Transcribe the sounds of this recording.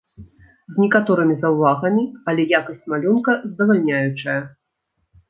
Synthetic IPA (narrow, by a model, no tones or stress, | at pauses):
zʲnʲɛkat̪ɔɾɨmʲizɐwvaɣɐmʲiɐlʲɛjakɐsʲt͡sʲmalʲunkɐzd̪ɐvalʲnʲajut͡ʂɐjɐ